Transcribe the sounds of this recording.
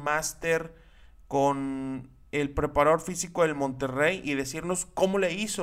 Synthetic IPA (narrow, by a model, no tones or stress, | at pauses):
mast̪eɾ | kon | e̞lpɾe̞paɾao̞ɾfisiko̞ðe̞lmõ̞nt̪e̞rejʔiðe̞siɾno̞sko̞mo̞le̞iso